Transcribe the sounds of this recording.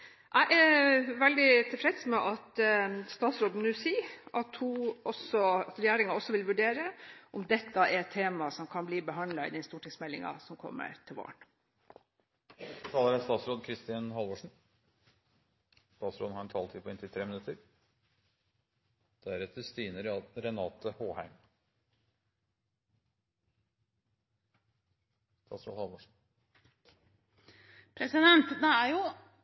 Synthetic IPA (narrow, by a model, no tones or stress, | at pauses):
ʔæɪʔæʋɛld̪ɪt̪ʰɪlfɾɛt̪smɛʔɑt̪st̪ɑːt̪sɾoːd̪n̩ʉːsiːʔɑt̪hʉʔɔsɔɑt̪ɾɛjæːɾɪŋɑɔsːɔʋɪlʋʉɖeːɾəʔɔmd̪ɛt̪ːəɛɾɛt̪ʰːeːmɑsɔmkʰɑnbliːbəɦɑnd̪lɑɪ̰d̪ɛnst̪uːʈɪŋsmɛlːɪ̰ŋɑ̰sɔmkʰɔ̰mːə̰ɾt̪ʰɪlʋɑ̰ːɳ | t̪ʰɑːləɾæst̪ɑːt̪sɾoːd̪kʰɾɪst̪ɪɑnhɑlʋoːʂɳ̩ | st̪ɑːt̪sɾoːd̪n̩hɑɾɛnt̪ʰɑːlt̪ʰiːpʰɔɪnt̪ɪt̪ʰɾeːmɪnʉt̪əɾ | d̪̥æɾɛt̪əst̪iːnəɾɾɛnɑːt̪əhoːhæɪm | st̪ɑːt̪sɾo̰ːd̪hɑlʋoʂɳ̩ | pʰɾɛsɪd̪ɛnt̪d̪ɛæɾjʊ